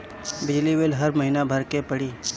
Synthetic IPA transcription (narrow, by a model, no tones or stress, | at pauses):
bɪd͡ʒliʋeːlɦəɾmɐɦinabʱəɾkepəɽiː